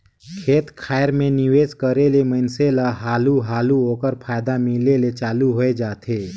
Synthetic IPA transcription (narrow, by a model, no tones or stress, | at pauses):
kʰeːt̪kʰaːjəɾmẽnɪʋeːd͡ʒkəɾeleməɪnselaɦaːluɦaːluɦoːkəɾpʰaːjd̪amɪlelet͡ʃaːluɦoed͡ʒaːt̪ʰeː